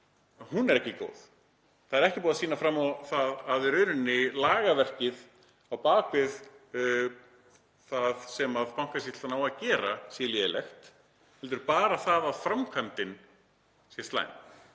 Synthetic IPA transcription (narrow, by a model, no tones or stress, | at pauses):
hunɛɾɛhcɪko̰ːwð | θaðɛɾɛhcɪpɔːðasiːnafɾamːawθaðaðɾœɥɾʏnːɪlaːɣavɛr̥cɪð | awpaːkvɪð | θaðsɛmaðpawŋ̥kasit̪l̥anaːwaðcɛːɾasiːljɛlɛ̰xt̪ | hɛlt̪̬ʏɾpaːɾaθaðaðfɾamkʰvant̪ɪn | sist̪la̰ːjm